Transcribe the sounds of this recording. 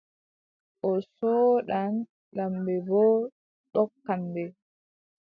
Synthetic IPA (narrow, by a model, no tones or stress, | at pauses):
ʔɔsɔːɗan | ɗambɛbɔ | ɗɔkːambɛ